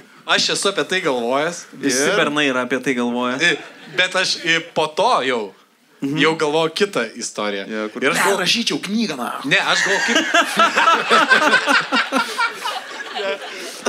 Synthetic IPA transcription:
ɐʃɛsʊɐpʲiɛt̪ɐɪɡɐlˠʋoːjɛsɪɪssʲɪpʲɛɾnɐɪiɾɐɐːpʲiɛt̪ɐɪɡɐlˠʋoːjɛbʲɛt̪ɐʃɪpoːt̪oːjɛʊ | jɛʊɡɐlˠʋoːjʊkʲɪt̪ɐɪst̪oːɾʲɪjɛjoɪɾɐʃɡoɾɐʃʲiːt͡ʃʲɛʊknʲiːɡɐna̰ːnʲɛɐʃɡɐlˠʋoːjkɐɪp | jɛ

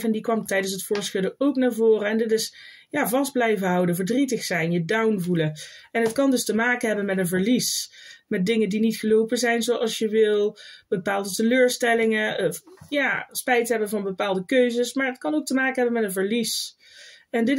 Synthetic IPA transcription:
vɛndikʋɑmtɛjdəns̬ɦətfʊːɹsxɵdəowknaːɹvʊːrəɛndɪtɪs | jaːvɑsdblɛjvənɦɑwdəvəɹdritəxsɛjnjədawnvuləɛnɦətkɑndɵstəmaːkənɦɛbənmɛtənvəɹlismɛt̚dɪŋəndinitχəlowpəzɛjnzowʔɑlˠsjəʋɪlˠb̥əpaːlˠdətəløːɹstɛlɪŋəjaːspɛjtɦɛbəvɑnbəpaːlˠdəkøɥzəsmaːɹət̚kɑnowk̚təmaːkənɦɛbənmɛtənvəɹlis | ɛndɪ

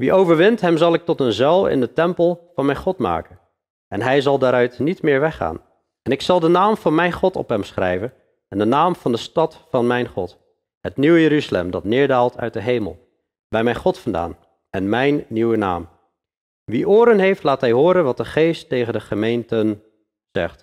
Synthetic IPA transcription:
ʋiʔowvəɹʋɪntɦɛmzɑlˠɪk̚tɔtənzɛlˠɪ̰ndətɛmpəlˠvɑnmɛjnχɔtma̰ːkən | ɛnɦɛjzɑlˠdaːɾœɥtnitmɪːɹʋɛχa̰ːn | ɛnɪksɑlˠdənaːmv̥ɑnmɛjnχɔtɔ̰pɦɛmsχrɛ̰jvən | ɛndənaːmv̥ɑndəstɑtfɑnmɛjnχɔt | ɦətniwəjəɾyzalɛ̰mdɑtnɪːɹdaːlˠtʰœ̰ɥt̚dəɦejmə̰lˠ | bɛjmɛjnχɔtfɑnda̰ːn | ʔɛnmɛjnːiwəna̰ːm | ʋiʔoːɾənɦejftlaːtɦɛjɦʊːɾənʋɑt̚dəχejstːejχəndəχəmejntən | z̥ɛ̰χt

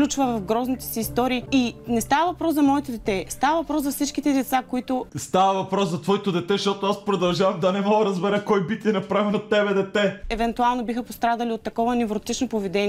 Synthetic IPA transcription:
lʲut͡ʃvəvɐfɡɾɔznit̪ɛ̥sɛːst̪ɔɾiːinɛst̪avəvɐpɾɔszɐmɔɛt̪od̪ɛt̪ɛst̪avɐvɐpɾɔszɐfsit͡ʃkit̪ɛd̪ɛt̪sakoit̪ʊst̪avɐvɐpɾɔszɐt̪vɔit̪od̪ɛt̪ɛʃt̪ɔt̪oaspɾod̪ɐlˠʒavɐmd̪ɐnɛmɔɡəɾɐzbɛɾɛkɔjbit̪ʲiɛnɐpɾavɛnot̪ɛbɛd̪ɛt̪ɛɛvɛnt̪ualˠnobixəpost̪ɾad̪ɐliot̪ːɐkɔvɐnɛvɾot̪it͡ʃnopovɛd̪ɛn

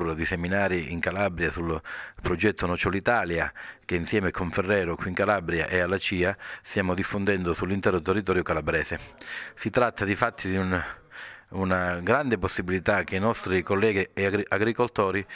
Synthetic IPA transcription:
rd̪iseminaːɾiʔiŋkalabɾjasulpɾod͡ʒɛt̪ʰːʊnɔt͡ʃolit̪aːljak̟einsjɛːmekʰːoɱferːɛːɾʊkwiːŋkalabɾja̰ʔɛalːat͡ʃiːast̪jaːmʊd̪ifːond̪ɛnd̪ʊsulːint̪ɛːɾʊt̪ɛrːit̪ɔːɾjʊkalabɾɛːsesit̪ɾat̪ʰːad̪ifat̪ʰːid̪iun | unaɡɾand̪ɪposːibilit̪ak̟ːeinɔst̪ɾikolːɛːɡiɛaɡɾiʔaɡɾikolt̪ɔːɾi

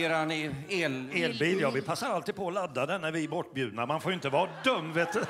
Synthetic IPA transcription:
eːɾaneːleːlbiːljɑːvɪpʰasːaɾalt̪iːd̪̥̚pʰɔɔlad̪ːad̪ɛnæɾvɪbɔʈːbjʉ̟ːd̪naɾmanfoːjʏɪnt̪əvɑːd̪œmːveːt̪

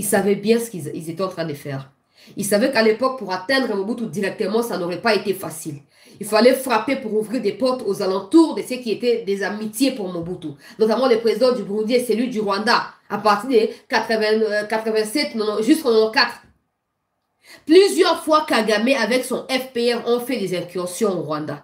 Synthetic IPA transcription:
ilsavɛbjɛ̃sə̥kiilzet̪ɛɑ̃t̪χɛ̃d̪əfɛːʁ | ilsavɛkalepɔk̚puʁat̪ɛ̃d̪ʁəmobut̪ud̪iʁɛk̚t̪əmɑ̃sanɔʁɛpaet̪efasil | ilfalɛfʁapepuʁuvʁiʁd̪epɔʁt̪ozalɑ̃t̪uʁd̪əsøkʲiet̪ɛd̪ezamit̪jepuʁmobut̪unɔt̪amɑ̃lepχezid̪ɑ̃d̪ybʁũd̪jesɛlɥid̪yʁwãd̪aapaʁt̪iʁd̪ekat̪χəvɛ̃kat̪χəvɛ̃sɛt̪ʒyskɔ̃nɔ̃kat̪χ | plyzjœʁfwakaɡamɛavɛksɔ̃ʔɛfpeɛʁɔ̃fɛd̪ezɛ̃kyɑ̃sjɔ̃ɔʁwãd̪a

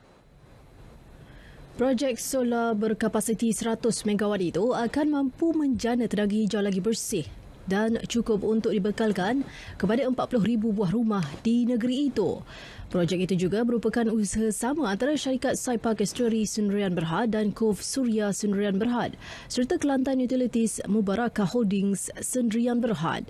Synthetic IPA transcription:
pɾɔd͡ʒɛk̚solabərkapasit̪isəɾat̪ʊsmẽɡawanit̪uakanmãmpumə̃ɲd͡ʒanət̪ədaɡid͡ʒawalaɡibərsɪh | dant͡ʃukʊp̚unt̪ʊk̚dibəkalkan | kəpadaəmpat̪̚pulʊɦɾibubuaɦrumahd̥inə̃ɡəɾiːt̪ṵ | pɾɔd͡ʒɛk̚it̪ud͡ʒuɡamə̃ɾupakanusəɦasamə̃ant̪aɾaʃaɾikat̪̚sajpakɛst̪ɾəɾisəndɾianbərɦat̪̚dankofsuɾiasəndɾianbərɦat̪̚ | sərt̪akəlant̪anjut̪ilit̪ismũbaɾakahodɪŋsːəndɾianbərɦa̰t̪̚

